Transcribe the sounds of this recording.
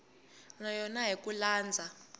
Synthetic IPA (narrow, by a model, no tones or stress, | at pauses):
najɔnaɦik̬ulaːnd͡zʱa